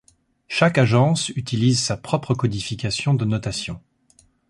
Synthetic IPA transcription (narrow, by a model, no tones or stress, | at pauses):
ʃakaʒɑ̃syt̪ilizsapχɔpχəkɔd̪ifikʲasjɔ̃d̪ənɔt̪asjɔ̃